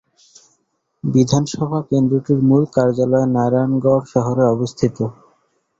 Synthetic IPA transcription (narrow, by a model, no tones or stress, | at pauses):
bid̪ʱanʃɔbʱakend̪ɾoʈiɾmulkaɾd͡ʑalɔenaɾanɡɔɾʃɔɦoɾeɔbost̪ʰit̪o